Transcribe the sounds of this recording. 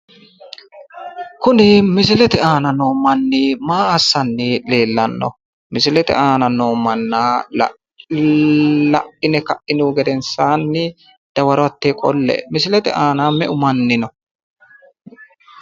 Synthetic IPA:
kʊnɪmɪsɪlɛt̪ɛaːnɐnoːmɐnːɪmaːɐsːɐnːɪleːlːɐnːɔ̰ | mɪsɪlɛt̪ɛ̰ʔaːnɐnoːmɐnːaːlɐ̰ | lɐʔɪnɛkɐʔɪnuɡɛd̪ɛnsaːnːɪ | d̪̥ɐwɐɾʊɐt̪ːekʼɔlːɛ̰mɪsɪlɛt̪ɛ̰ʔaːnaːmɛʔʊmɐnːɪnɔ

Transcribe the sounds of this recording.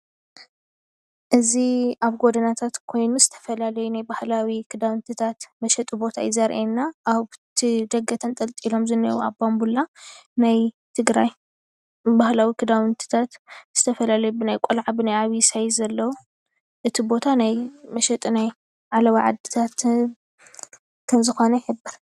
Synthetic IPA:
ʔɨziaβɡo̞d̪ɐnat̪ʰat̪kʰo̞jnuzɨt̪ʰɐ̥fɐlalɐjunajbahlawikʰɨd̪aβɨnt̪ʰit̪ʰat̪mɐʃɐt̪ʼibo̞t̪ʰa̰jɪzaɾʔenːaʔːβt̪ʰɨd̪ɐɡːɐt̪ʰɐnt̪ʼɐlt̪ʼilo̞mzɨnːɐwua̰bambulanaj | t̪ʰɨɡɾaj | bahlawikʰɨd̪aβɨnt̪ʰi̥t̪ʰat̪z̥ɨt̪ʰɐfɐlalɐjubɨnajkʷʼolʕabɨnajaβisajzɐlːɐwu | ʔɨt̪ʰibo̞t̪ʰanajmɐʃɛt̪ʼinaj | ʕalɐβaʕa̰d̪ɨ̥t̪ʰat̪ | kʰɐmzɨxo̞nɐħɨbːɨɾ

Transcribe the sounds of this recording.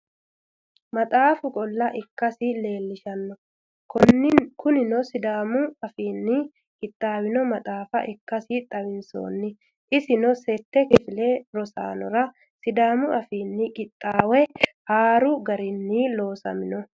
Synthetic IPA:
mɐt̪ʼaːfʊkʼɔlːɐʔɪkːɐsɪle̞ːlːɪʃɐnːɔ | knkʊnɪnɔsɪd̪aːmʊɐfiːnːɪ | kʼɪt̪ʼːaːwɪnɔmɐt̪ʼaːfɐ̰ʔɪkːɐsɪt̪ʼɐwɪnso̰ːnːɪ | ʔɪsɪnɔsɛt̪ːɛkɪfɪleɾɔsa̰ːnɔɾɐ | sɪd̪aːmʊɐfiːnːɪkʼɪt̪ʼːaːwɛhaːɾʊɡɐɾɪnːilo̞ːsɐ̰mɪnɔ

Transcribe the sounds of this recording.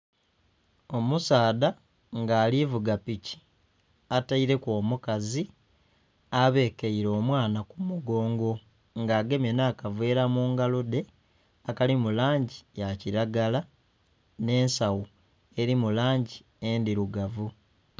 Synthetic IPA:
o̞musaːda | ŋɡaːlivuɡapici̥ | ataiɾe̞koːmukazi | aβe̞keiɾo̞ːmwaːnakumuɡo̞ːŋɡo̞ | ŋɡaːɡe̞menaːkavwe̞ːɾamuːŋɡalude̞ | akalimulaːɲɟijaciɾaɡala | ne̞ːnsawo | e̞ɾimulaːɲɟi | endiɾuɡavu

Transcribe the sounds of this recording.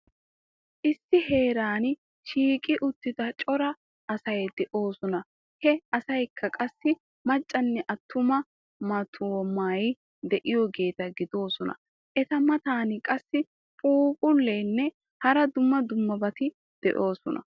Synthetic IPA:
ʔɪsːɪhe̞ːɾaːn | ʃiːkʼɪʔʊt̪ːɪd̪ɐt͡ʃʼɔɾɐ | ɐsɐjd̪ɛʔo̞ːsɔnɐ | hɛɐsɐjkʰːɐkʼɐsːɪ | mɐt͡ʃʼːɐnːɛʔɐt̪ːʊmɐ | mɐt̪ʰumaːj | d̪ɛʔɪjɔɡe̞ːt̪ɐɡɪd̪o̞ːsɔnɐ̰ | ʔɛt̪ɐmɐt̪aːnɪkʼɐsːɪ | pʼuːpʼʊlːeːnːɛ | hɐɾɐd̪ʊmːɐd̪ʊmːɐbɐt̪ɪ | d̪̥ɛ̰ʔo̞ːsɔnɐ̰

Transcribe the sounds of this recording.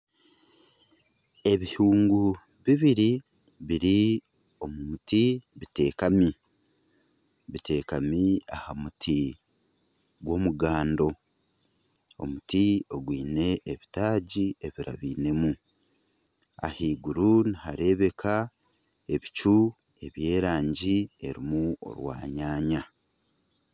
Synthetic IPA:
e̞βihuːŋɡu | βiβiɾi | βiɾi | o̞mumutiβite̞ːkami | βitʰe̞ːkamia̰hamutʰi | ɡwo̞muɡaːndo̞ | o̞̰mutio̞ɡwiːne̞ʔːβitaːɟieβiɾa̰βiːne̞mu | a̰hiːɡuɾunihaɾe̞βe̞kʰa | e̞βit͡ʃu | e̞βje̞ːɾaːɲɟie̞ɾimuo̞̰ɾwa̰ːɲaːɲa

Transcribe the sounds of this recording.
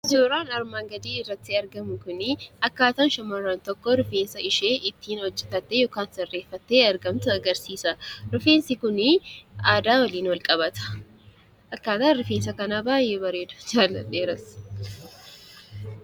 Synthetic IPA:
ɪzoːɾaːnɐɾmaːŋɡɐd̪iːɪrːɐt̪ːɪɐɾɡɐmʊkʊnɪɐkːaːt̪aːnʃɐmɐrːaːnt̪ɔkːɔɾʊfeːnsɐɪʃeːʔɪt̪ːiːnwɔd͡ʒːɛt̪ːɐt̪ːejoːkaːnsɐrːeːfːɐt̪ːeːɐɾɡɐmt̪ʊɐɡɐɾsiːsɐɾʊfeːnsɪkʊnɪaːd̪aːwɐliːnwɐlkʼɐβɐt̪ɐ̥ | ʔɐkːaːt̪aːnɾʊfeːnsɐkɐnaːbaːjeːbɐɾeːd̪ʊ̥d͡ʒaːlːɐ̰ᶑeːɾɐs

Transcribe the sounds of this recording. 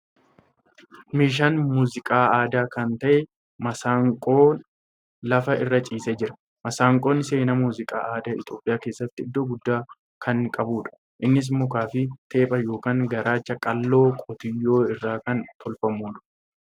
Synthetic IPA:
miːʃ̬anmuːzɪkʼaːaːd̪aːkɐnt̪ɐʔɛ | mɐsaːŋkʼo̞ːn | lɐfɐɪrːɐt͡ʃʼiːsed͡ʒɪɾɐ̥ | mɐsaːŋkʼo̞ːnse̞ːnɐmuːzɪkʼa̰ːʔaːd̪aːɪ̰t̪o̞ːpʼɪjaːke̞ːsːɐt̪ːɪɪd̪ːoːɡʊd̪ːaː | kʰɐŋkʼɐbuːᶑɐ̥ | ʔɪnːɪs̬mːʊkaːfɪt̪e̞ːpʼɐjo̞ːkaːŋɡɐɾaːt͡ʃːɐkʼɐlːo̞ːkʼɔt̪ɪjːo̞ːɪrːaːkɐnt̪ʰɔlfɐmːuːᶑɐ̥

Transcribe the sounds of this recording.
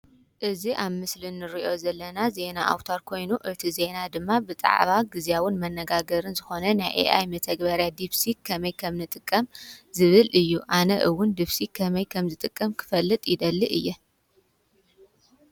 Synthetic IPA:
ʔɨziʔaβmɨslinːɨɾiʔo̞zɐlːɐnaze̞naʔa̰wt̪ʰaɾkʰo̞jnuʔɨt̪ʰize̞nad̪ɨmːabɨt̪ʼa̰ʕβaɡɨzjawʊnmɐnːɐɡaɡɐɾɨnzɨxo̞nɐnajʔḛʔa̰jmɐt̪ʰɐɡbɐɾjad̪iβsikʰɐmɐjkʰɐmnɨt̪ʼɨkʼːɐmzɨβɨlɨjːuʔanɐʔɨwːʊnd̪iβsikʰɐmɐjkʰɐmzɨt̪ʼɨkʼːɐmkʰɨ̥fɐlːɨt̪ʼjid̪ɐlːiʔɨjːɛ

